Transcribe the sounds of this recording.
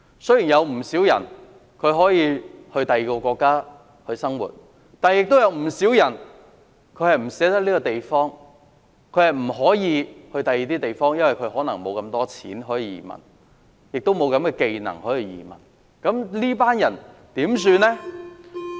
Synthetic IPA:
sɵ˥ɥjiː˨˩njɐ˨˧wm̩˨˩siː˨˥wjɐ̰˨˩n | kʰɵ˨˧ɥɦɔː˨˥jiː˧hɵ˧ɥt̪ɐ˨jiː˨kɔ˧kʷɔː˧kːaː˥ | hɵ˧ɥsɐ˥ŋwṵː˨˩t̚ | t̪aː˨njɪ˨k̚t̪o˥wjɐ˨˧wm̩˨˩siː˨˥wjɐ˨˩n | kʰɵ˨˧ɥhɐ˨jm̩˨˩sɛː˨˥t̪ɐ˥k̚liː˥kɔ˧t̪e˨jfɔː˥ŋ | kʰɵ˨˧hɐ˨jm̩˨˩ɦɔː˨˥jiː˨˧hɵ˧ɥt̪ɐ˨jiː˨˧t̪iː˥t̪e˨jfɔː˥ŋjɐ˥nwɐ˨˩jkʰɵ˨˧ɥhɔː˨˥nɐ˨˩ŋmo˨˧wkɐ˧mt̪ɔː˥t͡sʰḭː˨˥nɦɔː˨˥jiː˧˩jḭː˨˩mɐ̰˨˩n | jɪ˨k̚t̪o˥wmo˨˧wkɐ˨˧mkɛː˧ke˨˧jnɐ̰˨˩ŋhɔ˨˥jiː˨˧jḭː˨˩mɐ̰˨˩n | kɐ˨˥mliː˥paː˥njɐ˨˩nt̪iː˨˥ms̬yː˧nɛ˥

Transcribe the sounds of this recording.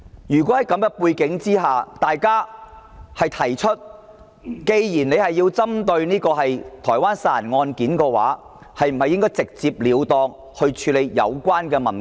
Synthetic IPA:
jyː˨˩kʷɔ˨˥hɐ˨˥jkɐ˨˥mkɛ˧puː˧jkɪ˨˥ŋt͡siː˥ɦaː˨t̪aː˨jkaː˥ | hɐ˨˩jt̪ʰɐ˨˩jt͡ʃʰɵ˥t̚ | ke˧jjiː˨˩ne˨˧hɐ˨jːi˧wt͡sɐ˥mt̪ɵ˧ɥniː˥kɔː˧ɦɐ˨jt̪ʰɔː˨˩jwaː˥nsaː˨˩nŋɔː˧nkiː˨˥nkɛː˧wa̰ː˨˥ | hɐ˨jm̩˨˩hɐ˨jɪ˥ŋkɔː˥jt͡sɪ˨k̚t͡siː˧p̚liː˨˧wt̪ɔː˧ŋ | hɵ˧t͡ʃʰyː˨˧le˨˧jjɐ̰˨˧wkʷaː˥nkɛː˧mɐ˨˩n

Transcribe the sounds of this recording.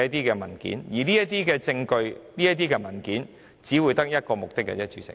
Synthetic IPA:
ɐ˥t̪̬iː˥kɛː˧mɐ˨˩nkḭ˨˥njiː˨˩liː˥jɐ˥t̚t̪iː˥kɛː˧t͡sɪ˧ŋkɵ˧ɥniː˥jɐ˥t̪̬iː˥kɛː˧mɐ˨˩nkiː˨˥n | t͡siː˨˥wu˨˧jt̪ɐ˥k̚jɐ˥t̚kɔː˧mʊ˨k̚t̪ɪ˥kːɛ̰˧˩ɛ˥t͡ʃyː˨˧sɪ̰˨˩

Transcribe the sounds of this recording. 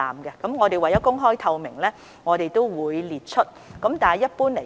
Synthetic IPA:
a̰ː˨˩mɡɛ˧kɐ˨˥mŋɔː˨˧t̪e˨jwɐ˨˩jɔ˨˦˥kʊ˥ŋɦɔː˥jt̪ʰɐ˧wmɪ̰˨˩ŋlɛː˥ | ŋɔː˨˧t̪e˨˩jt̪o˥wwuː˨˧jliː˨t̚t͡ʃʰɵ˥t̚kɐ˨˥mt̪aː˨jɐ˥t̚puː˥nle˨˩

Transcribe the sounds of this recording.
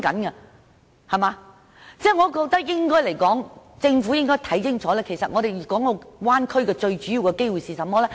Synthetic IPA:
kɐ˨˥nkɐ˧ | hɐ˨˩maː˨˧ | t͡sɛː˥˩ŋɔː˨˧kɔː˧k̚t̪ɐ˥k̚jɪ˥ŋkɔː˥jle˨˩jkɔː˨˥ŋt͡sɪ˧ŋfuː˨˥jɪ˥ŋkɔː˥jt̪ʰɐ˨˥jt͡sɪ˥ŋt͡sʰɔː˨˥lɛː˥kʰe˨˩jsɐ˨t̚ʔŋɔː˨˧ɾe˨jyː˨kɔː˨˥ŋɔ˨˧waː˥nkʰɵ˥ɥkɛː˧t͡ʃɵ˧ɥt͡ʃy˨˥ji˨˧wkɛ˧ke˥jwu˨jsiː˨˩sɐ˨mɔː˥lɛː˥

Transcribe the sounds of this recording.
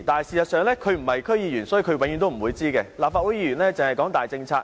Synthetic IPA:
t̪aː˨nhɐ˨jsiː˨˩sɐ˨t̚sœː˨˧ŋlɛː˥kʰɵ˨˧ɥm̩˨˩hɐ˨jkʰɵ˥ɥjiː˨˧jyː˨˩nsɔː˨˥ji˧kʰwe˨˥ŋjy˧˥nt̪o˥m̩˨˩wuː˨˧jt͡siː˥kɛ˧laː˨p̚faː˧t̚wu˨˥jiː˧˥ɥyː˨˩nlɛ˥t͡sɪ˨ŋhɐ˨jkɔː˨˥ŋt̪aː˨˩jt͡sɪ˧ŋt͡sʰaː˧

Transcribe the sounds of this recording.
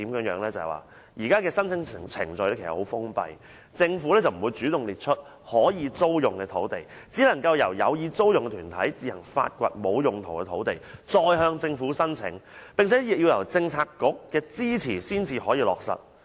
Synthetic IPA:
t̪iː˨˥mjœː˨˧˥ŋjœː˨˥ŋlɛː˥t͡sɐ̰˨jwa̰ː˨ | jʔiː˨˩kaː˥kɛː˧sɐ˥nt͡sʰɪ˨˥ŋʰ˨˩t͡sʰɪ̰˨˩ŋt͡sɵ˨˧jlɛ˥kʰsɐ̰˨˩ho˨˥wfʊ˥ŋpɐ̰˧j | t͡sɪ˧ŋfuː˨˥lɛː˥t͡sɐ˨˩wm̩˨˩wuː˨˧jt͡syː˨˥t̪ʊ˨˩ŋliː˨˩t̚t͡ʃʰɵ˥t̚ | hɔː˨˥jiː˨˧t͡so˥wjʊ˨ŋkɛː˧t̪ʰo˨˥wt̪e˨˩j | t͡siː˨˥lɐ˨˩ŋkɐ˧wjɐ˨˩wjɐ̰˨˧wjiː˨˧t͡so˥wjʊ˨ŋkɛ˧t̪ʰyː˨˩nt̪ʰɐ̰˨˥jt͡siː˧hɐ˨˩ŋfa̰ː˧t̚kʷɐ̰˧t̚mo˨˧wjʊ˨˩ŋt̪ʰo˨˩wkɛ˧t̪ʰo̰˨˥wt̪e˨˩jt͡sɔː˧jɦœː˧ŋt͡sɪ˧ŋfuː˨˥sɐ˥nt͡sʰɪ̰˨˥ŋpɪ˨ŋt͡sʰɛː˨˥jɪ˨k̚jiː˧wjɐ˨˩wt͡sɪ˧ŋt͡sʰaː˧kkːʊ˨˥kːɛː˧t͡siː˥t͡sʰiː˨˩siː˥nt͡siː˧hɔː˨˥jiː˧lɔː˨k̚sɐ̰˨˩t̚

